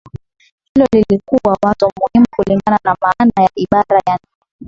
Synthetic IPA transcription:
hilɔlilikuwawatumuhimukuliŋɡananamaanajaʔiɓaɾajan | ɛ

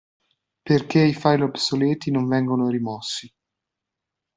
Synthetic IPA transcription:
perkeifajlobsolɛːt̪inoɱvɛŋɡonoɾimɔsːi

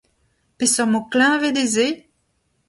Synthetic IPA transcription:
pesɔmoklɛ̃ved̪eze

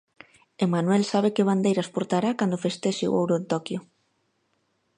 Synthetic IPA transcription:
emanwɛlsaβ̞ekeβ̞and̪ejɾaspuɾt̪aɾakand̪ofest̪eʃeṵowɾoent̪okjʊ

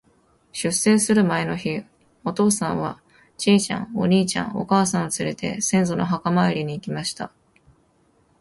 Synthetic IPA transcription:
ɕɨsːe̞ːsɨɾɯ̟mae̞no̞çi | o̞t̪o̞ːsãɰ̃βa | t͡ɕiːt͡ɕã̰ŋo̞̰ɲ̟iːt͡ɕã̰ɰ̃o̞̰kaːsãɰ̃ot͡sɨɾe̞t̪e̞̰sẽ̞ñzo̞no̞ɦakamaeɾʲiɲ̟iːkʲimaɕi̥t̪a̰

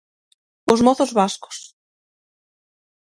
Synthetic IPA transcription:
osmɔθɔsvaskʊ̥s

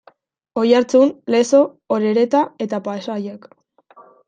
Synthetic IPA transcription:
o̞jaɾt͡sunle̞so̞ | oɾeɾe̞t̪ae̞t̪apaesajek

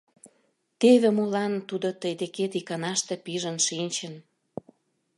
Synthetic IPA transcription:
t̪eβĕmolɑnt̪ud̪ot̪əjd̪eket̪ikɑnɑʃt̪ĕpiʒə̆nʃinʲt͡ɕə̆n

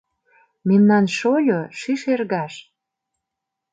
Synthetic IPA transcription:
memnɑnʃolʲoʃiʃerɣɑʃ

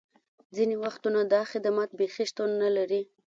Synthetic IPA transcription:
d͡zinewaxt̪unad̪ɑxɪd̪mat̪̚bexiʃt̪unːalaɾi

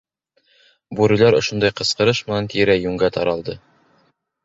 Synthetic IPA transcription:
buɾʲilˠɑɾŏʃund̪ɑjqɤ̆sqɤ̆ɾɤʃmɘ̆nænt̪iɾæjʉŋɡæt̪ʰɑɾɑlˠd̪ɤ

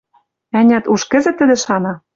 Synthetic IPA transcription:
ænʲæt̪uʃkɘ̆zɘ̆t̪ːɘ̆d̪ɘ̆ʃɑnɑ

